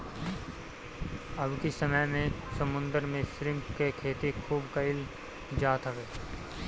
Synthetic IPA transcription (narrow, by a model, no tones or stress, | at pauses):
əbkisəməjmẽsəmʊ̃nd̪əɾmẽʃɾɪmpkekʰeːt̪ikʰuːbkəɪl | d͡ʒaːt̪ʰəʋeː